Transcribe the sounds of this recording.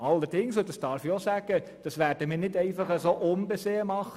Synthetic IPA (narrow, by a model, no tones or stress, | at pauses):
ɑlːəɾd̥ɪŋsodɑsd̥ɑːɾfiosæɡ̥ə | d̥ɑsʋæːɾd̥əmɪːɾnɪdɛɪfɑχəsoʔʊmbeseːəmɑχ